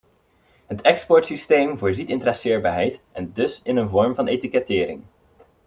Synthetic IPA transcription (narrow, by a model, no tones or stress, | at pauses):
ɦətɛkspɔɹtsistejmvʊːɹzitɪntrɛsɪːɹbaːɹɦɛjtʔɛndɵsɪnənvɔɹmvɑnejtikɛtɪːɾɪ̰ŋ